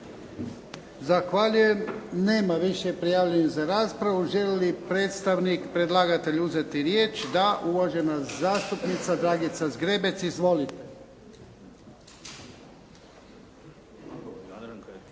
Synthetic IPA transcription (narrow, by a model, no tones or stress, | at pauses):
zaxʋaʎuje̞mne̞ːmaʋiʃepɾijaːʋlʎeɲezaɾaːspɾaʋuʒe̞lelipɾeːt̪st̪aʋnikpɾe̞d̪lˠaːɡat̪e̞ʎuzet̪iɾje̞ːt͡ʃd̪aʔuʋaʒenazaːst̪upnit̪sad̪ɾaːɡit̪sazɡɾe̞be̞t̪sizʋo̞lit̪e